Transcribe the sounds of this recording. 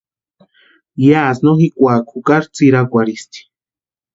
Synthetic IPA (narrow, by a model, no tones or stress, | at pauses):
jasnoxikʷakʰukaɾt͡siɾakʷaɾist̪i̥